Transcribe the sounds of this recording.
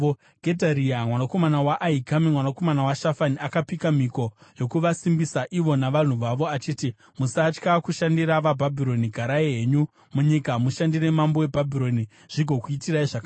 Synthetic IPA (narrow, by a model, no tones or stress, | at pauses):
ɡ̥ʱe̞dʱaɾiamwanako̞manawaʔaiɡʱamimwanako̞manawaʃafaniakapikam̤iko̞jo̞kuʋasimbisaʔiʋo̞naʋan̤uʋaʋo̞at͡ʃiːti | musat͡ʃkakuʃandiɾaʋabʱabʱiɾo̞niɡʱaɾaeɦe̞ɲu | muɲikamuʃandire̞mambo̞e̞bʱabʱiɾo̞ni | ʐ̥iɡʱo̞kuitiraiʐaka